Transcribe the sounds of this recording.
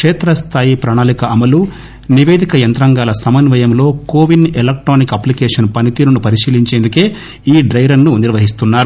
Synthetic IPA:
kʂɛːt̪ɾɐst̪ʰaːjipɾaːɳaːlikɐɐmɐlu | niʋeːd̪ʱikɐjɐnt̪ɾɐŋɡaːlɐsɐmɐnʋɐjɐmlo̞ːkoːʋinelek̚ʈɾoːnikɐplikɛːʂɐnpɐnit̪iːɾɐnupɐɾiʃiːliɲt͡ʃeːnd̪ukeː | iːɖɾɐjɾɐɾnːuniɾʋɐɦist̪unːaːɾu

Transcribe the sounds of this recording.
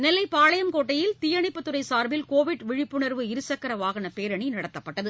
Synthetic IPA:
nɛlɐɪpaːlɐjɐmkoːʈːɐjɪlt̪ɪjɐɳɪpːɯt̪ːɯɾɐɪsaːɾʋɪlkoːʋɪʈʋɪɻɪpːɯɳɐɾʋɯɪɾɯsɐkːɐɾɐʋaːɣɐɳɐpeːɾɐɳinɐɽɐt̪ːɐpːɐʈːɐðɯ

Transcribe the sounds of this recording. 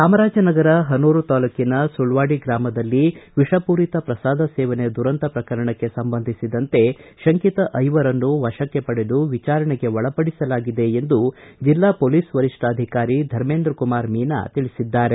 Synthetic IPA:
saːmɐɾaːd͡ʒɐnɐɡɐɾɐɦɐnuːɾut̪aːlɐkːinɐsuɭʋaːɽiɡɾaːmɐd̪ɐlːiʋiʂɐpuːɾit̪ɐpɾɐsaːd̪ʱɐsɛːʋɐned̪uɾɐnt̪ɐpɾɐkɐɾɐɳɐkːe̞sɐmbɐnd̪ʱisid̪ɐnt̪e̞ʃɐŋkit̪ɐʔɐjʋɐɾɐnːuʋɐʃɐkːe̞pɐɽe̞luʋit͡ʃaːɾɐɳeɡe̞ʋɔɭɐpɐɽisɐlaːɡid̪e̞ːnd̪ud͡ʒilːaːpoliːsʋɐɾiʂʈaːd̪ʱikaːɾid̪ʱɐɾmeːnd̪ɾɐkumaːɾmiːna̰t̪iɭisid̪ːaːɾe̞

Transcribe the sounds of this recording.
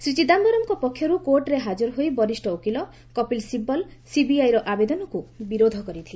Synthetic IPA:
sɾit͡ʃid̪ambɔɾɔmkɔpɔkʰːjɔɾukoɾʈɾeɦad͡ʒuɾɔɦojbɔɾisʈɔukilɔ | kɔpilsibɔlsibiajɾɔʔabed̪ɔnɔkubiɾod̪ʱɔkɔɾit̪ʰile

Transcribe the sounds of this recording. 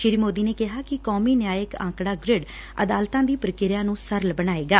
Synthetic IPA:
ʃɪɾiːmoːd̪iːneːkɪɦaːkɪkɔːmiːnjaːjəkã̰ːŋkɽaːɡɾɪɖ | ə̰d̪aːlt̪ãːd̪iːpɾəkɪɾjãːnũːsəɾlbəɽaːeːɡaː

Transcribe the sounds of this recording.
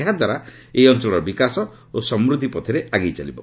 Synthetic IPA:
ɦad̪ʱwaɾa | eɔnt͡ʃɔɭɔɾɔbikasɔ | osɔmɾud̪ʱipɔt̪ʰiɾeaɡejt͡ʃalibɔ

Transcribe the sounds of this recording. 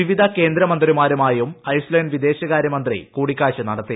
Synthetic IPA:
iʋid̪ʱɐke̞ːnd̪ɾɐmɐnd̪rimaːɾumaːjumɐjsleːnɖʋid̪e̞ːɕɐɣaːɾjɐmɐnd̪rḭkuːɽikʲːaːɕɐnɐɽɐt̪ːi

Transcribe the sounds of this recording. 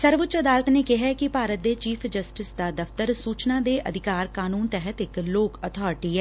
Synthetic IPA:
səɾʋʊtːt͡ʃəd̪aːlət̪neːkɪɦɛːkɪpaːɾət̪̚d̪eːt͡ʃiːpʰd͡ʒəsʈɪsd̪aːd̪əfʰt̪əɾsuːt͡ʃnaːd̪eːʔəd̪ʱɪkaːɾkaːnuːnt̪ɛɦət̪ɪkloːkət̪ʰɔːɾʈiːɛː

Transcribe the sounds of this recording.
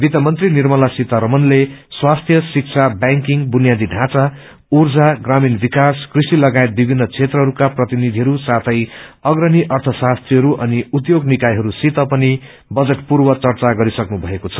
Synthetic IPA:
bit̪ʌmʌnt̪rinirmʌlasit̪ʌɾʌmʌnleswast̪ʰjʌsik̚t͡sʰabaŋkiŋbunijad̪iɖʱãt͡sa | urd͡zaɡraminbikaskrisilʌɡaet̪̚bibʱinːʌt͡sʰet̪rʌɦʌɾukaprʌt̪inid̪ʱiɦʌɾusat̪ʰʌjʌɡrʌniʔʌrt̪ʰʌsast̪riɦʌɾuʔʌniut̪joɡnikajɦʌɾusit̪ʌpʌni | bʌd͡zeʈpurbʌt͡sʌrt͡saɡʌɾisʌknubʱʌekot͡sʰʌ̥

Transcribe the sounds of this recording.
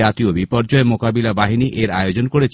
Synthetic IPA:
at̪iobipɔɾd͡ʑɔemokabilabaɦiniʔeɾajod͡ʑonkoɾet͡ɕʰ

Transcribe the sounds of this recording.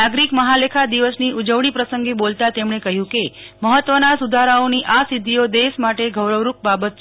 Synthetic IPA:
aɡɾikməɦalekʰad̪iʋəsniud͡ʒəʋɳipɾəsəŋɡebolt̪at̪emɳekəɦjũkeməɦət̪ːʋənasud̪ʱaɾaoniʔasid̪ʱːijod̪esmaʈeɡʱəwɾəʋɾup̚babət̪̚t͡ʃ

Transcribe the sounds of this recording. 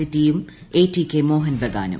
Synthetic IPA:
iʈiːumeːʈiːkemoːɦɐnbɐɡa̰ːnɐ̰

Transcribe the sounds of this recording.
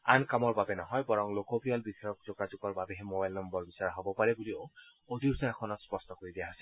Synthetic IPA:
ankamɔɹbabɛnɔɦɔjbɔɹɔŋlokɔpɹijalbidʱajɔk̚zoɡazukɔɹbabɛɦɛmobajlnɔmbɔɹbisaɹaɦɔbɔpaɹɛbulio | od̪ʱisɔakʰɔnɔtspɔstɔkoɹid̪ijaɦasil

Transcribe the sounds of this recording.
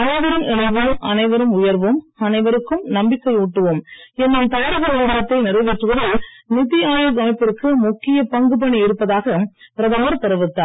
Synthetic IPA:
ɐnɐɪʋɐɾɯmɪɭɐɪʋɯʔɐ̰nɐɪʋɐɾɯmʊjɐɾʋɯmɐnɐɪʋɐɾɯkːɯmnɐmbɪkːɐɪuːʈːɯʋɯmɛnːɐmt̪aːɽɐɣɐɾɐʋɐːlɐt̪ːɐɪnɪɾɐɪʋɪʈrɯʋɐðɯlnɪt̪ɪjaːjɐɡɐmɐɪpːɪrkːɯmʊkːɪjɐpɐŋɡɯp̬ɐɳiɪɾɯpːɐðaːɣɐpɪɾɐðɐmɐːɾt̪ɐɾɯʋɯt̪ːaː

